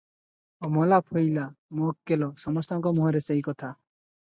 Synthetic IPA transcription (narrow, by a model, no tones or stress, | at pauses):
ɔmɔlapʰɔjlamɔkːelɔsɔmɔst̪aŋkɔmɔɦɔɾeseɦikɔt̪ʰa